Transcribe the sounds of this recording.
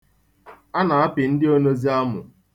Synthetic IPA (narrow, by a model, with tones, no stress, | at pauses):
a˦na˨a˦pɪ˨n̩˦dɪ˦o˦no˦zi˦a˦mʊ̰˨